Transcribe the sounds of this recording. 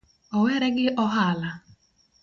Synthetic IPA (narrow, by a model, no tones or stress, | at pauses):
ɔwɛɾɛɡɪʔɔɦala